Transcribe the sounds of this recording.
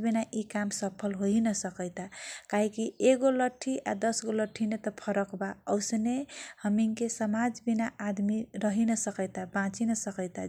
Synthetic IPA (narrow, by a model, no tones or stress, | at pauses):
binaʔikamsəpʰəlɦoinəsəkəjt̪akaɦikieɡoləʈʰːiʔad̪əsɡoləʈʰinet̪ɔpʰəɾəkbaəʊsnehəmiŋkesəmad͡ʒbinaʔad̪miɾəɦinəsəkəjt̪abãt͡ʃinəsəkəɪt̪a